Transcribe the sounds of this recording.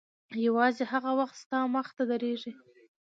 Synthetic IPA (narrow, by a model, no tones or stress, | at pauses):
jawɑzehaɣawaxt̪st̪ɑməxt̪ad̪aɾeʐi